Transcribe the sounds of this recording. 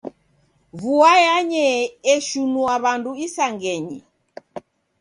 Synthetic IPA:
βuajaɲɛɛʃunuaβanduisaŋɡɛɲḭ

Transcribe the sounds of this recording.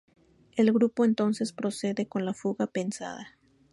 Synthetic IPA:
e̞lɣɾupo̞e̞nt̪o̞nse̞spɾo̞se̞ðe̞ko̞nlafuɣape̞nsa̰ða

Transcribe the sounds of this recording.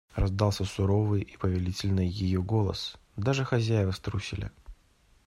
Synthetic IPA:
rɐzd̪ɑlˠsʲəsʊɾo̞vɨjʔipəvʲɪlʲitʲɪlʲnɨjːɪjoɡo̞lˠə̰s | d̪aʐɨxɐzʲæjɪvəst̪ɾusʲɪlʲɪ̰

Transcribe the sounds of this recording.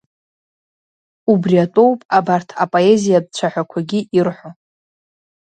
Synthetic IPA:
ubriatʷʼo̞wpʼabartʰapʼoe̞zijab̚t͡ɕʷʰaħʷᶣakʷʰaɡʲiirħʷo

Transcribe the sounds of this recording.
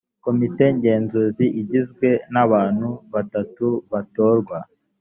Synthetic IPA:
ko̞mite̞ɲɟe̞ːnzuziʔiɟizɡwe̞naβaːnhuβatatuβato̞ːɾɡwa

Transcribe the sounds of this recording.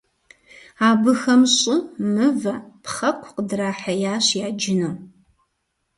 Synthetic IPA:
aːbɨxɐmɕʼɪmɨvɐpχɐkʷʰqədraːħɐjaːɕjaːd͡ʒɪnoː

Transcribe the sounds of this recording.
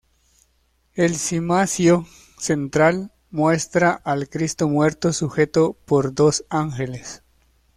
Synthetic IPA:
elsimasjo | sent̪ɾal | mwe̞st̪ɾaʔalkɾist̪omwe̞ɾt̪osuxe̞t̪opoɾd̪osaŋxeles

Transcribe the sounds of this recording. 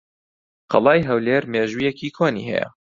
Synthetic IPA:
qʰɑ̰lˠɑːjɦɐwleːɾmeːʒujekʰiːkʰoːnḭːɦɛ̰jɐ̰

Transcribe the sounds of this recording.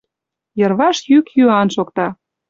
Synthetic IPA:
jɤ̆rβɑʃjykjyɑnʃokt̪ɑ

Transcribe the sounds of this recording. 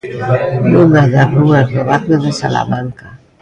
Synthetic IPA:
nuŋaðaruazðoβak̪eðesa̰la̰mãŋka

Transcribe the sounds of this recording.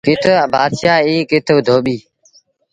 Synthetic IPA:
ɡɪt̪ʰəəbaːd̪ʃaːiːkɪt̪ʰəʋd̪ʱoːɓiː

